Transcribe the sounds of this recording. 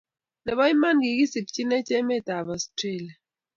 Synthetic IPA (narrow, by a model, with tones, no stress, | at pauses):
nɛ˨bɔ˦i˦ma˦nɡi˨ɡi˦si˨p̚t͡ʃi˦nɛ˦t͡ʃɛ˦mɛ˦˨ta˨bɔ˨stɾe˦˨la˨